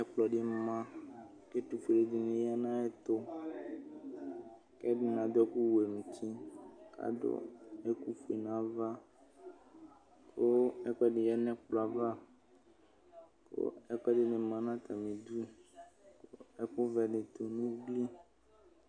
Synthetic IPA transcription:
ɛ˦k͡plɔ˨ɖe˦˨mã˦ | ke˦t̪u˨fi˨ɖe˨d̪i˨nẽ˨ja˦nã˦ɛ˦t̪o˦ | kɛ˦ɖe˨nã˨d̪ɔ˦ku˦we˨mũ˨t͡ɕ̪i˦ka̰˦ɖo̰˦e˦ku˦fu˨e˨nã˦va˦ | ko˦ɛ˦k͡pɛ˦ɖe˨ja˦nɛ̃˦k͡plɔ˨a˨va˦ | ko̰˦ɛ˦k͡pɛ˦ɖe˦ɖe˨mã˦nã˦t̪a˨mĩ˨d̪u˦˨ko˦ɛ˦ko˦vɛ˨ɖe˨t̪o˨nũ˦ɡ͡bli˦

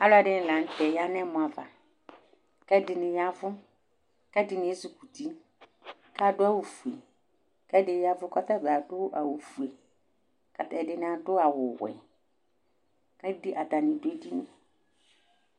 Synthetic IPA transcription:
a˦la˨dɪ˨n̩˨lã˨n̩˦tɛ˨ja˦nɛ̃˦mʊ̃˨a˨va˨ | kɛ˦dɪ˨nɪ˨ja˦vʊ˦ | kɛ˦dɪ˨nɪ̃˨e˦zu˨ku˨ti˦ | ka˦dʊ˦a˦wu˨fu˨e˨ | kɛ˦dɪ˨˦ja˦vʊ˦kɔ˦ta˦˨ba˨dʊ˦ʔa˨wu˨fu˨e˨ | ka˨tɛ˨dɪ˨˦n˨a˨dʊ˦a˨wʊ˨wɛ̰˨ | ka˦di˦ʔa˨ta˨nɪ̃˨de˦di˦nɪ̃˨

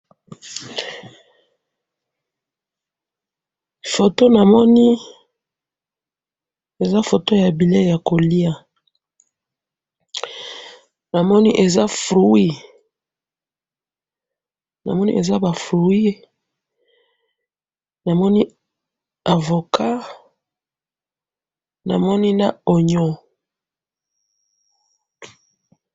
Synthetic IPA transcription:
fo˨to˦na˨mɔ˦ni˦ | e˨za˦fo˨to˦ja˨bi˨le˦˨ja˨ko˨li˦a˨ | na˨mɔ˦ni˦ʔe˨za˦fʁu˨˦i˦ | na̰˨mɔ˦nḭ˦e˨za˦ba˨fʁu˨i˦ | na˨mɔ˦ni˦ | a˨vo˨kʰa˦ | na̰˨mɔ˦ni˦na˦˨o˨ɲɔ˨

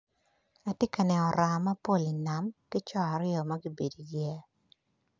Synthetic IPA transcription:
a˨tɪ˦ka˨nɛ˨ɔ˨ɾa˨ma˦po˦˨li˨na˨mkɪ˦t͡ʃɔ˦a˨ɾɪɔ˨ma˦ɡi˦be˨di˨ɡjɛ˦

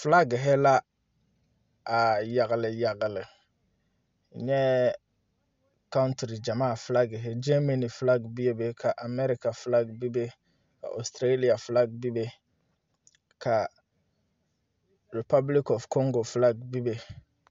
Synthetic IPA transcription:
fla˦ɡɪ˨ɦɪ˦la˦ | a˨ja˨ɣɪ˨lɪ˨ja˨ɡɪ˨lɪ˨ | ɲɛ˦ | ka˦ʊ˦ntɾi˨d͡ʒa˨maː˦˨fla˦ɡɪ˨ɦɪ˦d͡ʒɛ˦ma˦ni˨fla˦ɡbi˦je˦be˦kʰa˨ʔa˨mɛ˦ɾɪ˦ka˨fla˦ɡbi˦be˦ | ka̰˨ʔɔ˨stɾe˦li˨a˨fla˦ɡ̚bi˦be˦ | kʰa˨ | ɾɪ˨pa˦bli˦kɔ˨fkɔ˦ŋɡo˨fla˦ɡbi˦be˦

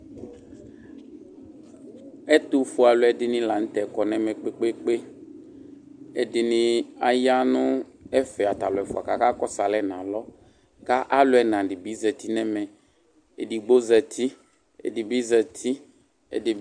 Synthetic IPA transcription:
ɛ˦t̪ʊ˨fʊ˨a˨lʊ˨ɛ˨dɪ˨nɪ̃˦la˨n̩˦t̪ɛ˨kɔ˨nɛ̃˦mɛ̃˨k͡pe˦k͡pe˦k͡pe˦ | ɛ˨dɪ˨nɪ̃˨a˨ja˦nʊ̃˦ | ɛ˦fɛ˨a˨t̪a˨lʊ˨ɛ˨fʊ˨a˨ka˨ka˦kɔ˦sa˨lɛ˦nã˨lɔ˦ | ka˦ʔa˦lʊ˦ɛ˦nã˨dɪ˨bi˦zɛ˨t̪i˦nɛ̃˦mɛ̃˨ | e˨di˨ɡ͡bo˦zɛ˨t̪ʰi˦ | ɛ̰˨dɪ˨bi˦zɛ˨t̪ʰi˦ | ɛ̰˨dɪ˨

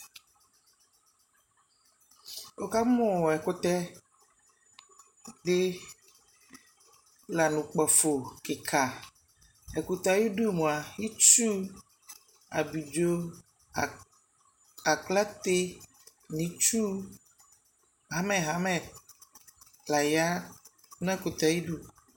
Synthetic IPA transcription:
wo˦ka˦mɔ̃˦˨ɛ˨ko˦t̪ɛ˦ | ɖe˦ | la˨nũ˨k͡pɔ˨fo˨ke˨kʰa˨ | ɛ˨ku˨t̪a˦ji˦ɖu˦˨mũ˨a˨ji˦t͡ʃu˦ | a̰˨bi˨d͡ʒo˦˨ | a˨kla˦t̪e˦ | nĩ˨t͡ʃu˦ | ɦa˨˦mɛ̃˨ɦa˨mɛ̃˨ | la˨ja˦ | nũ˦ɛ˦˨ko˨t̪a˨ji˦ɖu˦

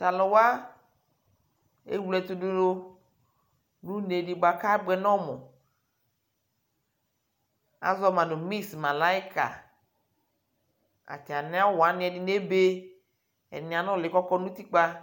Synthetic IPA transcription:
ta˨lɔ˨wa˦ | ḛ˦wu˦lɛ˨t̪u˦do˦o˦ | nũ˦ne˨ɖi˨ɡ͡ba˨ka˦ɛ˦ɡ͡bɛ˨nɔ̃˦mɔ̰̃˨ | a̰˨zɔ˦mã˨no˨mi˦sma˨la˨i˦ka̰˨ | a̰˨ti˨a˨nɛ̃˦a˦wo˦wa˨˦nĩ˨˦ɛ˨di˨ne˦be˦ | ɛ̰˨nĩ˨a˨nɔ̃˦˨lɪ˨kɔ˦kɔ˦nũ˦t̪i˦k͡pa˦

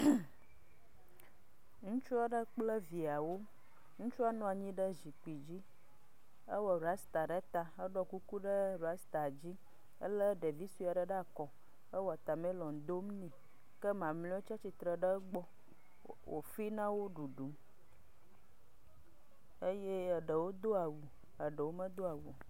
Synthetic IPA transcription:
ŋũ˦t͡ʃu˦a˦ɖə˦k͡plə˦vi˨a˨wo˦ | ŋũ˦t͡ʃu˦a˦nɔ̃˦˨a˨ɲĩ˦ɖə˦zi˨k͡pi˨d͡ʑi˦ | ə˦wɔ˨ɾu˨a˦st̪a˨ɖə˦t̪a˨ə˦ɖɔ˦ku˦ku˦ɖə˦ɾa˦st̪a˨d͡ʑi˦ | ə˦lə˦ɖə˨vi˦su˦˨a˨ɖə˦ɖa˦˨kɔ˨ | ə˦wɔ˦˨a˨t̪a˨mɛ̃˦lɔ̃˨n˨d̪o˦mnĩ˨ | kə˦mã˨mlĩ˦ɔ˦t͡ʃa˦t͡ɕi˨t̪ɾə˨ɖə˦ɡ͡bɔ˦ | wʔo̰˨fi˦nã˦wo˦ɖu˨ɖu˨˦m | ə˦je˦˨ɖə˨wo˦d̪o˦a˨wu˨ | ə˨ɖə˨wo˦mə˦d̪o˦a˨wu˨

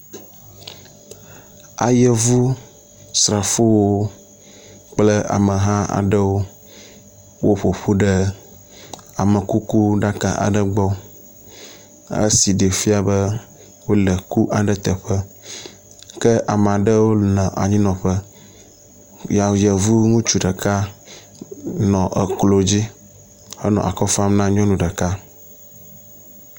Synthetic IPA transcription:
a˨jə˦vu˦ | sɾa˨fo˦wo˦ | k͡plə˦ʔa̰˨mə˨ɦã˦a̰˨ɖə˦wo˦ | wo˦ɸo˨ɸo˦ɖə˦ | a˨mə˨ku˦ku˦ɖa˦ka̰˨ʔa̰˨ɖə˦ɡ͡bɔ˦ | ə̰˦si˨ɖe˨fi˦a˨bə˦ | wo˦lə˨ku˦ʔa˨ɖə˦t̪ə˨ɸə˦ | kə˦ʔa˨m˨a˨ɖə˦wo˦nã˨ʔa̰˨ɲĩ˦nɔ̃˨ɸə˦ | ja˨jə˨vu˦ŋũ˦t͡ʃu˦ɖə˨ka˦ | nɔ̃˨ʔə˨klo˨d͡ʑi˦ | hə˦nɔ̰̃˨ʔa̰˨kɔ˦fa˦mnã˦ɲɔ̃˦nũ˨ɖə˨ka˦

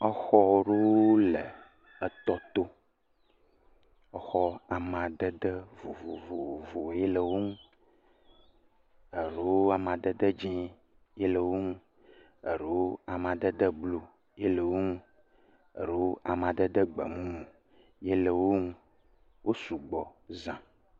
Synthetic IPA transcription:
ɔ˦xɔ˦ɖo˦wo˦lə˨ | ə˨t̪ɔ˦t̪o˦ | ɔ˦xɔ˦a˨mã˨d̪ə˦d̪ə˦vo˨vo˨vo˨vo˨je˦lə˨wo˦ŋũ˦ | ə˨ɾe˨˦wo˦a˨mã˨d̪ə˦d̪ə˦d͡ʒĩ˦ | je˦lə˨wo˦ŋũ˦ | ə˨ɾə˨wo˦a˨m˨ã˨d̪ə˦d̪ə˦blo˦ | je˦lə˨wo˦ŋũ˦ | ə˨ɾwo˦ʔa˨m˨ã˨d̪ə˦d̪ə˦ɡ͡bə̰˨mũ˦ŋũ˨ | je˦lə˨wo˦ŋũ˦ | wʔo˦su˨ɡ͡bɔ˨zã˨

